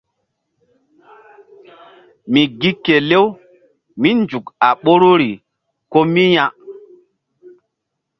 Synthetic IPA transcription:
mi˨ɡi˦kːe˨le˦w | mi˦nd͡ʒu˨ka˨ɓo˦ɾu˦ɾi˨ | ko˦mi˦ja˦

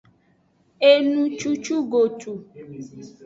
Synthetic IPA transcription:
e˦nũ˦t͡ʃu˦t͡ʃu˦ɡo˨tʰu˨

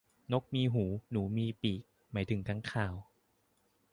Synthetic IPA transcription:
no˦˥k̚miː˧ɦuː˩˦nuː˩˦miː˧piː˨˩k̚ | maː˩˦jt̪ʰɯ˩˦ŋkʰa˧˥ŋkʰaː˨˩w

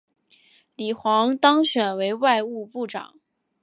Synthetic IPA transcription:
li˨˩xwɑ˧˥ŋt̪ɑ˥ŋɕɥɛ˨˩nwe˧˥ɪwa˥˧ɪu˥˧pu˥˩ʈ͡ʂɑ̰˨˩˦ŋ

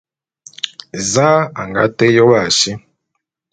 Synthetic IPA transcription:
za˦a˨ŋɡa̰˦te˦jo˦wa˨ʃi˦

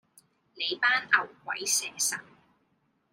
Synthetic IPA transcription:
le˨˧jpaː˥nɐ˨˩wkʷɐ̰˨˥jsɛː˨˩sɐ˨˩n

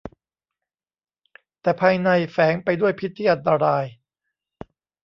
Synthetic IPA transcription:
t̪ɛː˨˩pʰaː˧jna˧jfɛː˩˦˥ŋpa˧jdu˥˩əjpʰi˦˥t̪ʰːiː˥˩ʔa˧nt̪a˧ɾaː˧j

